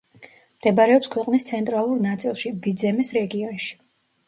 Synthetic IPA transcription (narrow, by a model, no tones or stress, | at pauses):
md̪̥ɛbɾɛɔpskʰwɛqʼnist̪sʰɛnt̪ʼɾalˠuɾnat̪sʼilˠʃivid̪zɛmisɾɛɡiɔnʃi̥